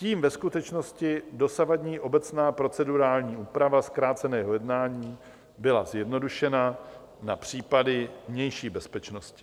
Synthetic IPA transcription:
ciːmvɛskut̪ɛt͡ʃno̞scɪdo̞savadɲiːʔo̞bɛt͡snaːpɾo̞t͡sɛduɾaːlɲiːʔuːpɾavaskɾaːt͡sɛnɛːɦo̞jɛdnaːɲiː | bɪlazjɛdno̞duʃɛna | napr̝̥iːpadɪvɲɛjʃiːbɛspɛt͡ʃnoscɪ̥

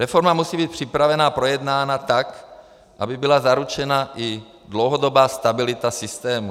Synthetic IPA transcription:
ɾɛfoɾmamusiːbiːt̪̚pr̥ipɾavɛnapɾojɛd̪naːnat̪ak | ʔa̰bɪbɪlazaɾut͡ʃɛnaʔi | dlowɦodobaːst̪abɪlɪt̪asɪst̪ɛːmu

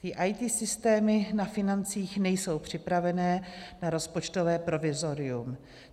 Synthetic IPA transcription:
t̪ɪʔajt̪iːsɪst̪ɛːmɪnafɪnant͡siːxnɛjso̞wpr̝̥ɪpɾavɛnɛːnaɾo̞spot͡ʃt̪ovɛːpɾo̞vɪzo̞ɾɪum

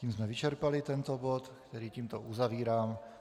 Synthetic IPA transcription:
iːmzmɛʋit͡ʃɛɾpalit̪ɛnt̪ɔbɔt̪kt̪ɛɾiːt̪iːmt̪ɔuzaʋiːɾam

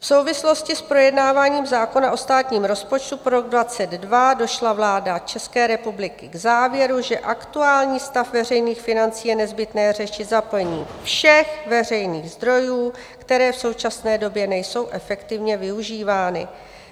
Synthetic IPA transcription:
fso̞wvɪslo̞scɪspɾo̞jɛdnaːvaːɲiːmzaːko̞naʔo̞st̪aːt̪ɲiːmɾo̞spo̞t͡ʃt̪upoɾo̞ɡdvat͡sɛd̪dvado̞ʃlavlaːdat͡ʃɛskɛːɾɛpublɪkɪɡzaːvjɛɾuʒɛʔakt̪uaːlɲiːst̪afvɛrɛjniːxfɪnant͡siːjɛnɛzbɪt̪nɛːr̝ɛʃɪt̪zapl̩ɲiːfʃɛxvɛr̝ɛjniːɣzd̪ɾo̞juː | kt̪ɛɾɛːfso̞wt͡ʃasnɛːdo̞bjɛnɛjso̞wʔɛfɛkt̪ɪvɲɛvɪuʒiːvaːnɪ̰

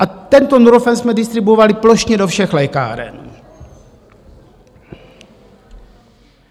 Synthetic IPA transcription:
ʔat̪ɛnt̪onuɾofɛnsmɛdɪst̪ɾɪbuovalɪploʃɲɛdofʃɛxlɛjka̰ːɾɛ̰n

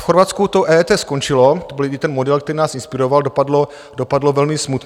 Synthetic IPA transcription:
fxoɾvat̪skut̪oʔɛːt̪ɛːskont͡ʃɪlot̪obɪljɪt̪ɛnmodɛlk̚t̪ɛɾiːnaːsɪnspɪɾovaldopadlo | dopadlovɛlmɪsmut̪

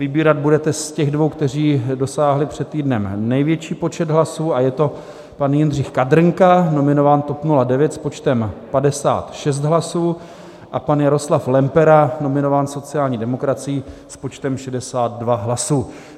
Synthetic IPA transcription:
vɪbiːɾad̪̚budɛt̪ɛscɛɣdvo̞wkt̪ɛr̝iːdo̞saːɦlɪpr̝̥ɛt̪t̪ːiːdnɛmnɛjvjɛt͡ʃiːpo̞t͡ʃɛd̪ɦlasuːajɛt̪o̞ | panjɛnr̝ɪxkad̪ɾŋkano̞mɪnovaːnt̪opnuladɛvjɛt̪spo̞t͡ʃt̪ɛmpadɛsa̰ːt̪ʃɛs̬t̪ɦlasuː | ʔapanjaɾo̞slaflɛmpɛɾano̞mɪno̞vaːnso̞t͡sɪaːlɲiːdɛmo̞kɾat͡sɪjispo̞t͡ʃt̪ɛmʃɛdɛsaːt̪̚dvaɦlasuː

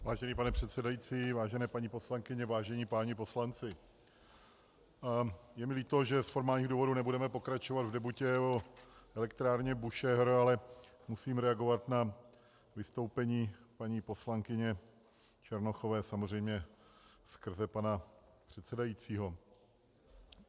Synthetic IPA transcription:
vaːʒɛniːpanɛpr̥ɛt̪sɛdajiːt͡siːvaːʒɛnɛːpaɲipo̞slaŋkɪɲɛvaːʒɛɲiːpaːɲɛpo̞slant͡sɪ | jɛmɪliːt̪o̞ʒɛsfo̞ɾmaːlɲiːɣduːvo̞dunɛbudɛmɛpo̞kɾat͡ʃovad̪vdɛbucɛoɛlɛk̚t̪ɾaːɾɲɛbuʃɛɦɾalɛmusiːmɾɛaɡo̞vat̪na | vɪst̪o̞wpɛɲiːpaɲiːpo̞slaŋkɪɲɛ | t͡ʃɛɾnoxo̞vɛːsamor̝ɛjmɲɛ | skr̩zɛpanapr̥ɛt̪sɛdajit͡siːɦo̞

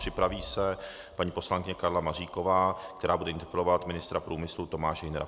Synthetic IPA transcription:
r̥ɪpɾaviːsɛ | paɲiːpo̞slaŋkɪɲɛkaɾlamariːko̞vaːkt̪ɛɾaːbudɛɪnt̪ɛpɛlovat̪mɪnɪst̪ɾapɾuːmɪslut̪o̞maːʃɛɪnɾa̰

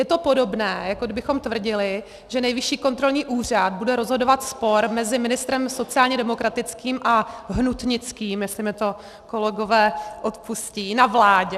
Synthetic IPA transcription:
jɛt̪o̞po̞do̞bnɛːjakodɪbɪxo̞mt̪vr̩ɟɪlɪ | ʒ̥ɛnɛjvɪʃiːko̞nt̪ɾo̞lɲiːʔuːr̝ad̪̚budɛɾo̞zɦo̞do̞vat̪spo̞ɾmɛzɪmɪnɪst̪ɾɛmso̞t͡sɪaːlɲɛdɛmokɾat̪ɪt͡skiːmʔaɦnut̪ɲɪt͡skiːmjɛslɪmɛt̪o̞ | ko̞lɛɡo̞vɛːʔo̞t̪pusciːnavlaːɟɛ

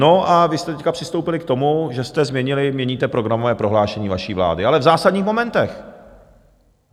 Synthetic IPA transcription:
no̞ʔavɪst̪ɛt̪ɛckapr̝̥ɪst̪owpɪlɪkt̪o̞muʒɛst̪ɛzmɲɛɲɪlɪmɲɛɲiːt̪ɛpɾo̞ɡɾamovɛːpɾo̞ɦlaːʃɛɲiːvaʃiːvla̰ːdɪalɛvzaːsad̪ɲiːxmo̞mɛnt̪ɛx

